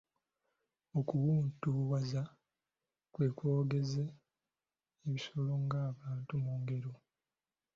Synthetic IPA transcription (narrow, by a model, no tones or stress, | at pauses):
okuwuːntuwaza | kwe̞ːkwo̞ːɡe̞ze | βiso̞lo̞ŋɡaːβaːntumuːŋɡe̞ɾo